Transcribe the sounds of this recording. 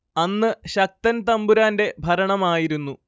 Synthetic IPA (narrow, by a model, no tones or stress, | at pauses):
ɐnːɨɕɐk̚t̪ɐnt̪ɐmbuɾaːnde̞bʱɐɾɐɳɐmaːjiɾunːu